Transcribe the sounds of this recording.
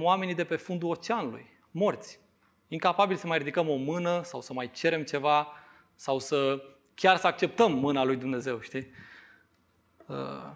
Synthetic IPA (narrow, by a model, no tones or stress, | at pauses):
wame̞nid̪e̞pe̞fund̪uo̞t͡ʃeanulṵj | mo̞rt̪sʲ | iŋkapabilsəmajɾid̪ikəmo̞mɨnəsawsəmajt͡ʃe̞ɾe̞mt͡ʃe̞va | sawsə | kʲarsəak̚t͡ʃe̞p̚t̪əmːɨnalujd̪umne̞ze̞wʃt̪i | ə̰